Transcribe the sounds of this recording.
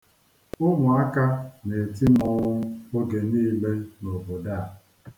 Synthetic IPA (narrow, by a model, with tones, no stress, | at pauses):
ʊ˦ŋʊ˨a˦ka˦ne˨t̬i˦mɔ˦o˦ɡe˨niː˦le˦no˨bo˨da˦˨